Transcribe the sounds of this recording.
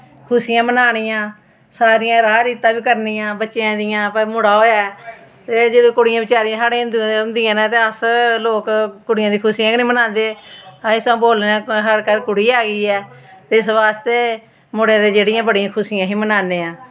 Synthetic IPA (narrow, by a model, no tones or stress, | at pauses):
kʰʊsijãːmənaːɽijãː | saːɾijãːɾaːɾiːt̪ːãːʋiːkəɾniːãːbətːʃeãːd̪ɪjãːpəɾmʊɽaːɦoːjaːɛt̪eːd͡ʒəd̪õːkʊɽɪjãːbɪt͡ʃaːɾiãːsaːɽeːʊ̃nd̪iãːʊ̃nd̪ɪãːnãːt̪eːəsloːkkʊɽɪjãːd̪iːkʰʊsijãːknĩːmənãːnd̪eːaɪsãːboːlnãːɦəɾkəɾkʊɽiːaːɡiːɛːt̪eːɪsʋaːst̪eː | mʊɽjãːd̪eːd͡ʒeːɽɪjãːbəɽɪjãːkʰʊsɪːjãːɦĩːmənaːneːãː